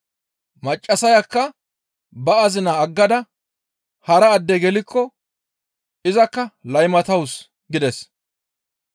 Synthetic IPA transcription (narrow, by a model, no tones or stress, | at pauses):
mɐt͡ʃʼːɐsɐjɐkːɐ | bɐɐzɪnɐːɡːɐd̪ɐ | hɐɾɐːd̪ːɛɡɛlɪkːɔ | ɪzɐkːɐlɐjmɐt̪ɐws | ɡɪd̪ɛs